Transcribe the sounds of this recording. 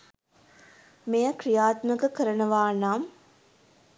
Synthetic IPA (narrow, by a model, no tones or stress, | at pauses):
mejəkɾijaːt̪məkəkəɾənɐʋaːnaːm